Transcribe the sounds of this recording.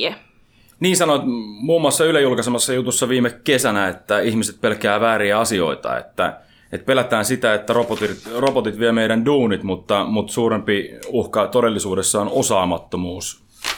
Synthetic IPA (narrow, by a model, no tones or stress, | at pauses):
e | niːnsɑnoit̪muːmːuɑsːɑylæjulkɑsemɑsːɑjut̪usːɑʋiːmekkesænæet̪ːæihmiset̪̚pelkæːʋæːɾiæɑsio̞̰it̪ɑ̰ḛt̪ːæ̰ | et̪pelæt̪æːnsit̪æet̪ːæropot̪itrobot̪it̪ʋiemeidænduːnit̪mut̪ːɑmut̪suːɾempiuhkɑt̪ode̞lːisuːdesːɑonosɑːmɑt̪ːomuːs